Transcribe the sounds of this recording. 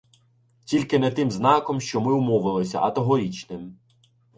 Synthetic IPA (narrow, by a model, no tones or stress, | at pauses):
tʲilʲkɪnɛt̪ɪmznɑkɔmʃt͡ʃɔmɪwmɔʋɪlˠɪsʲɐ̰ʔɐt̪ɔɦɔɾʲit͡ʃnɪm